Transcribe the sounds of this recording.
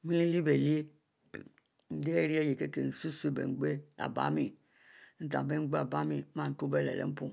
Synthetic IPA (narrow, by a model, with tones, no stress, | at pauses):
mi˦li˦li˦be˨li˦e˦˨ | n̩˦de˦e˦ɾi˦e˦je˨ke˦ke˨n̩˨su˦su˦e˦˨bḛ˨ŋ͡m̩˨˦ɡ͡be˦a̰˨ba̰˦mi˨ | n̩˦ta̰˨be˦ŋ͡mɡ͡be˦a˨ba˦mi˨˦mã˦˨n̩˨tu˦be˦˨lɛ̰˨lḛ˨m̩˦pu˦˨